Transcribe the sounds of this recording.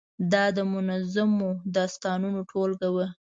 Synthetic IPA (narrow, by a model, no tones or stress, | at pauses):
d̪ɑd̪əmʊnazamod̪ɑst̪ɑnunoʈʰolɡawə